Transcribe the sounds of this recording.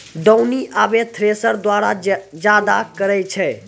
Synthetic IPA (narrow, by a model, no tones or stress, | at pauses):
ɖəwniʔabet̪ʰɾesəɾd̪waɾa̰d͡ʒad̪akəɾɛt͡ʃʰɛ